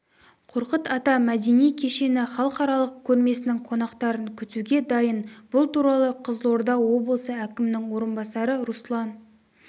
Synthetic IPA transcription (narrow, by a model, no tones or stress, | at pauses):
qʰoɾqət̪ɑt̪ɑmæd̪e̞nijkʲʰe̞ʃe̞nɪχɑlˠəqɑɾɑlˠəq̚kʲʰɵɾme̞sɪnɪŋqʰo̞nɑqt̪ɑɾəŋkʲʰʏt̪uɡʲe̞d̪ɑjənbʊlˠt̪uɾɑlˠəqʰəzlˠo̞ɾd̪ɑwo̞blˠəsəækʲɪmɪnɪŋwo̞ɾənbɑsɑɾəɾuslˠɑn